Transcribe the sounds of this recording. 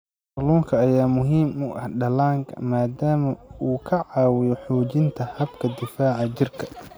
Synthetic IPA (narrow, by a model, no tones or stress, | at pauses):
luːŋkʰɐːjaːmʊɦiːmʊʔɐhɖɐlaːŋkʰɐ̰maːd̪aːmɐuːkʰɐʕɑːwɪjɔħuːt͡ʃɪnt̪ʰɐhɐbkʰɐd̪ɪfaːʕɑt͡ʃɪrkʰɐ̥